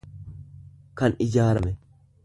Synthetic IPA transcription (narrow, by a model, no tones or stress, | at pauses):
kɐnɪd͡ʒaːɾɐmɛ